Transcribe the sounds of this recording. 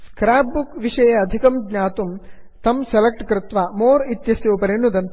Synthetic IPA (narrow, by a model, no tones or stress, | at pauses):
skɾaːbbukʋiʂɐjɐːd̪ʱikɐmɡɲaːt̪um | t̪ɐmselɐk̚ʈkɾɪt̪ʋaːmoːɾit̪jɐsjoːpɐɾiɳud̪ɐn